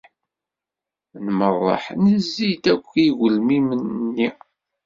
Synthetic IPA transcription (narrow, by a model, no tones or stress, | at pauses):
nmərˤːɑ̰ħnəzːit̪ækʷːiɣəlmimənːi